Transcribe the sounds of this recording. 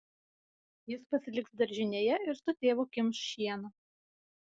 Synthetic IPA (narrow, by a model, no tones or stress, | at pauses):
jɪspɐsʲɪlʲɪksd̪ɐɾʲʒʲɪnʲeːjɛɪɾsʊt̪ʲeːʋoːkʲɪmsʃʲiɛnɐ